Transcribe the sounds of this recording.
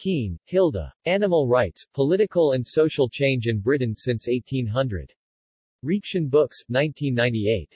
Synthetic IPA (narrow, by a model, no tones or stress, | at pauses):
kʰĩnhɪlˠdə̰ænəml̩ˠɹaɪtspʰəlɪɾɨkəl̩ˠɨ̃nsoʊʃl̩ˠt͡ʃʰẽɪ̃nd͡ʒɨ̃nbɹɪʔn̩sɪ̃nseɪtʰĩnɦʌ̃ndɹɨ̰d̥ | ɹikʃɨ̃nbʊksnãɪ̃ntʰĩnːãɪ̃ntieɪt̚